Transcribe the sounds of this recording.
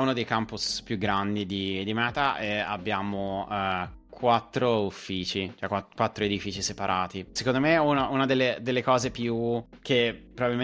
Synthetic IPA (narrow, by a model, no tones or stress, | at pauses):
unod̪ejkampuspjuɡɾand̪id̪id̪imɛːt̪aʔea̰bːjaːmoɛkwat̪ːɾoufːiːt͡ʃit͡ʃoɛkwakwat̪ːɾoed̪ifiːt͡ʃisepaɾʔaːt̪isekond̪omeununad̪elːed̪elːekɔːzepjuk̟epːɾobabilm